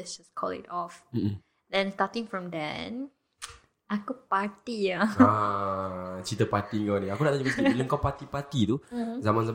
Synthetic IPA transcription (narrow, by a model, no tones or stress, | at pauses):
ɛsd͡ʒaskʰɔlɪ̰tɔfm̩ | dɛ̃nstatɪ̃ŋfɹɔ̃mdɛ̰̃n | akupat̪iaa | t͡ʃit̪əpat̪iŋɔniakudaʔ̪aɲəməskiləŋkapat̪ipat̪it̪uzamãnza